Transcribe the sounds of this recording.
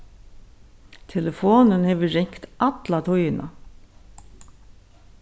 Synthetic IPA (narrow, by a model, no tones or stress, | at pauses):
t̪ʰɛlɛfoːnənhɛːʋəɹɪŋkt̪ʔat̪lat̪ʰʊjɪnʔa̰